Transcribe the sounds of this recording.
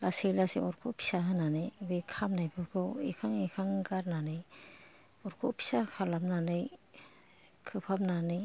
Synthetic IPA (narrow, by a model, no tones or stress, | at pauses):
laselasḛɔɾkʰɔpʰi̥saɦɯnanɯjbekʰamnajbɯkʰɯḭkʰaŋikʰaŋɡaɾnanɯj | ɔɾkʰɔpʰi̥sakʰalamnanɯj | kʰɯpʰap̚nanɯj